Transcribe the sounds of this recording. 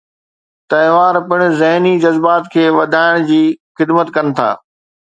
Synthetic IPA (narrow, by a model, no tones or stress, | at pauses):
t̪ɐɦʋaːɾpɪɽ̃̆zɐɦnid͡ʑɐzbaːt̪kʰeːʋɐd̪ʱaːɪɽ̃d͡ʑiːxɪd̪mət̪kɐnɪ̆t̪ʰa̰ː